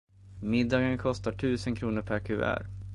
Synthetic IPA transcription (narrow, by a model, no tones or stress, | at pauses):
mɪd̪ːɑːɡənkʰɔst̪aʈʰʉ̟ːsənkʰɾuːnəɾpʰæɾkʰʉ̰ːæ̰ɾ